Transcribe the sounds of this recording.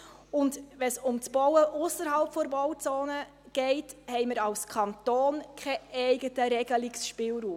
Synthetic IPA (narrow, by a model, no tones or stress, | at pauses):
ʊndvɛnsʊmt͡sb̥ɔwəʔʊsːəɾɦɑlpfɔɾbɔwt͡soːnə | ɡ̥ɛɪthɛɪjməɾɑlskʰɑntoːnkʰɛɛɪɡətəɾɛɡəlɪksʃpɪːlɾuːm